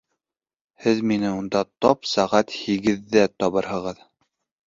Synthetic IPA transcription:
hɘðminɘund̪ɑt̪ɒpsæʁæt̪hiɡɘ̆ðːæt̪ɒβɤɾɦɤ̆ʁɤð

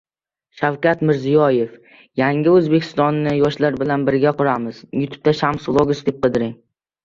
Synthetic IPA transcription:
ʃawkʲat̪mɪɾzijɒje̞f | jaŋɪɵzbe̞kʲʰɪ̥st̪ɒnːɪjɒʃlaɾbɪlanbɪɾɡʲaqʰʊɾamɪzjʊt̪ʰʊ̥p̚t̪ʰaʃamslˠoɡʊsd̪ep̚qʰɨd̪ɪɾɪŋ

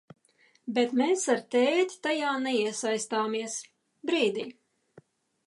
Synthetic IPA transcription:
bet̪meːsaɾt̪ɛːt̪ʲi̥t̪ajaːnɛiɛsajst̪aːmiɛs | bɾiːd̪iː

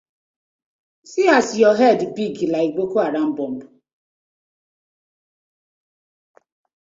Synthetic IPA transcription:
siasijɔɦɛdbiɡilaiɡ͡bokoaɾam̩bɔm̩bʊ

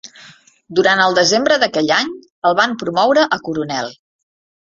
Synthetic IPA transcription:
d̪uɾanəlˠd̪əzembɾəðəkɛʎaɲ | əlˠβampɾumɔwɾəʔəkuɾunɛlˠ

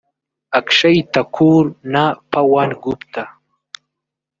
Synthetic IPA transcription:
akʂajt̪akʰuɾnapawanɡupt̪ʰa

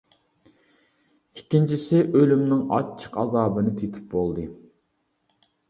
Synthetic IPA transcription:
ikʲːint͡ʃʰisɪʔølymnɪŋɑ̰t͡ʃʰːə̥qɑ̰zɑːbɨnɨt̪ʰet̪ʰɪ̥p̚bolˠd̪ɨ

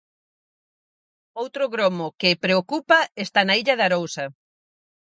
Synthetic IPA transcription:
owt̪ɾʊɣɾomʊkepɾeokupɐest̪anɐiʎɐðɐɾowsɐ

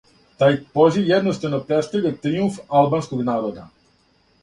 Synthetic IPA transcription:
t̪aːjpozijed̪nost̪anopɾet̪st̪avʎʲat̪ɾiuɱfalˠbanskoɡnaːɾod̪a̰

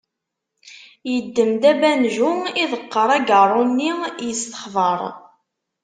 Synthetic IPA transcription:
jəd̪ːəmd̪æbænʒuiðəqːəɾˤæɡərˤːʊnːijəst̪ə̥χðˤəɾˤ

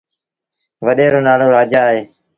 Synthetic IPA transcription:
ʋəɗeːɾoːnaːɽoːɾaːd͡ʒaːɦeː

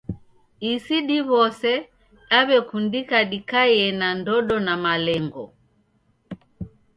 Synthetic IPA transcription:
isiɗiβɔsɛ | aβɛkundikaɗikajɛnandɔɗɔnamalɛŋɡɔ

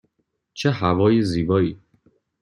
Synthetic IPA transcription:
t͡ʃʰeɦævɒːjeziːbɒːiː

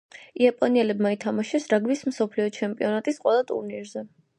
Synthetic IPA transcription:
iapʼɔniɛlɛbmait̪ʰamaʃɛsɾaɡmismsɔpʰliɔt͡ʃʰɛmpʼiɔnat̪ʼisqʼwɛlˠat̪ʼṵɾniɾzɛ

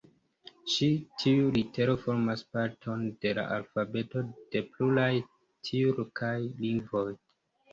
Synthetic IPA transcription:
ʃitʰiulite̞ɾo̞fo̞ɾmaspaɾtʰo̞nde̞la̰ʔalfabe̞to̞d̥e̞plulaj | tʰiɾokʰajliŋɡvo̞j

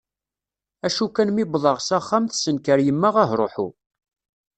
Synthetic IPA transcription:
æʃukænmibðˤɑʁsaχːamθsənkəɾjəmːaʁaɦɾˤoħṵ

